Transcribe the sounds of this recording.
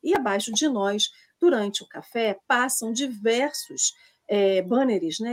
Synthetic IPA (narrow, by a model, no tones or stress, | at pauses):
ɪabajʃʊd͡ʒɪnɔjs | d̪̥uɾɐ̃nt͡ʃɪʊkafɛpasɐ̃w̃d͡ʒivɛɾsʊs | ɛbɐ̃neɾɪznɛ